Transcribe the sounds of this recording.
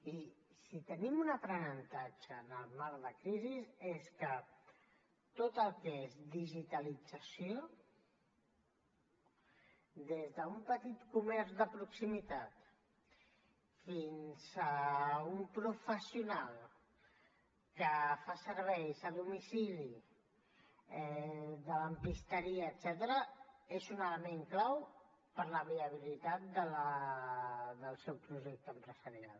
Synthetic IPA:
i | sit̪ənimunəpɾənənt̪ad͡ʒəːnəlˠmaɾðəkɾiziseskə | t̪ot̪əlˠkeezd̪iʒit̪əlid͡zəsio | d̪ezðəumpət̪it̪kumɛɾzðəpɾuksimit̪at̪ | finz̥əumpɾufəsiunalˠ | kəfasəɾβɛjzəðumisili | ɛðələmpist̪əɾiəːt̪sɛt̪əɾəezunələmeŋklaw | pəɾləβiəβ̞ilit̪at̪̚d̪ələ | ðəlˠsɛwpɾuʒɛk̚t̪əmpɾəzəɾja̰l

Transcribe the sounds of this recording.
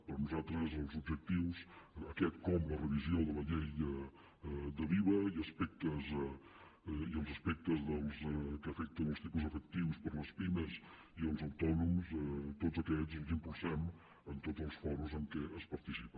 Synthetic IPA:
pəɾnuzat̪ɾəzəlˠzubʒək̚t̪iwsəkɛt̪̚kɔmlərəβizioðələʎejə | d̪əβiβ̞əiəspɛk̚t̪əz | iəlˠzəspɛk̚t̪əzðəlˠzkəːfɛk̚t̪ənəlˠst̪ipuzəfək̚t̪iwspəɾləspinəz | iəlˠzəwt̪ɔnumst̪ozəkɛzzimpulˠsɛm | ənt̪od͡zəlˠsfɔɾuzəŋkɛʔəspəɾt̪isipə

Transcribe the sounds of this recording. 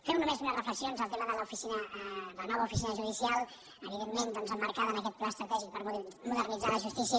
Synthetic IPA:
fɛwnumezunərəfləksionzəlˠt̪eməðələufisinəd̪ələnɔβəufisinəʒuðisialˠ | əβiðemːend̪ɔnzəmːəɾkaðənəkɛt̪̚plaəst̪ɾət̪ɛʒik̚pəɾmuðərnid͡zaləʒust̪isiə

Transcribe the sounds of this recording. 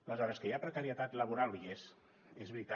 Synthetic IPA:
ələzɔɾəskəjapɾəkəɾiət̪at̪ləβuɾalˠies | ezβɾit̪a

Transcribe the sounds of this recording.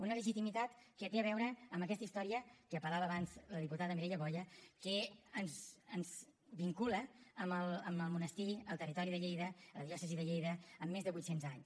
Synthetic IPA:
unələʒit̪imit̪at̪kət̪eəβɛwɾəːmbəkɛst̪əist̪ɔɾiəkəpəɾlaβəːβanzləðiput̪aðəmiɾɛʎəβɔʎəkəənzənz | βiŋkuləəməlˠəməlˠmunəst̪iəlˠt̪ərit̪ɔɾiðəʎejðələðiɔsəziðəʎejðəːmːezðəβujt̪senzaɲs

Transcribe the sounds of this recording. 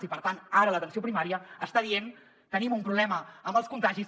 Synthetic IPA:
zipəɾt̪anaɾələt̪ənsiopɾimaɾiəəst̪aðien | t̪ənimumpɾuβlɛməəmbəlˠskunt̪aʒiz

